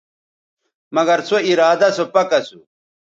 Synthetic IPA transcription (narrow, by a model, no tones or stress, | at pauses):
mɐɡɐɾsoiɾaːd̪ɐsopɐkɐsu